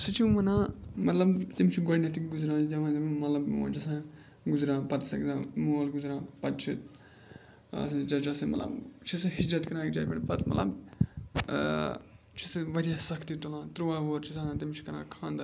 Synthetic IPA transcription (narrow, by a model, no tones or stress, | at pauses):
sɨt͡ʃʰiʋɐnãːmɐt̪lɐbt̪imt͡ʃʰiɡoɽʲnɐt̪ikɡuzɾãːzɐʋãːzɐmmɐt̪lɐb̰d͡ʒɐsãː | ɡʊzɾãːpɐt̪sɐkd̪ãmoːlɡuzɾãːpɐt̪̚t͡ʃʰit̪ | ɐ̰sd͡ʒɐd͡ʒɐsɨ̃mɐ̰t̪lɐ̰bt͡ʃʰisɨɦid͡ʒɾɐt̪kɐɾãːk̚d͡ʒaːpʲḛɳpɐt̪mɐ̰llɐ̰b | t͡ʃʰisɨʋɐɾijasɐkʰt̪it̪olãːt̪ɾuaːʋoːɾt͡ʃʰisãt̪imt͡ʃʰi̥kɐɾã̰ːkʰãːnd̪ɐ